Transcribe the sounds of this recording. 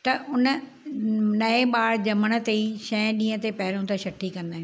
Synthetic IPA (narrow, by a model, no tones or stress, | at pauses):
t̪ɐʔʊnə | nɐeɓaːɽd͡ʑɐməɽ̃ə̆t̪eiʃɐ̃ːɗĩːə̃t̪epɐɦɪɾõt̪aʃɐʈʰːikɐ̃nd̪aːɦẽ